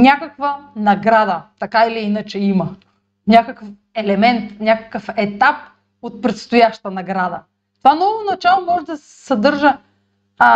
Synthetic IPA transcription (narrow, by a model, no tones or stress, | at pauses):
nʲakəkvənɐɡɾad̪ət̪ɐkailiinɐt͡ʃɛimə | nʲakəkəf | ɛlɛmɛnt̪nʲakə̥kəfɛt̪ap̚ | ot̪̚pɾɛt̪st̪ʊjaʃt̪ənɐɡɾad̪ə̰ | t̪ovanɔvonɐt͡ʃalˠomɔʒɛd̪ɐsɛsɐd̪ɤɾʒə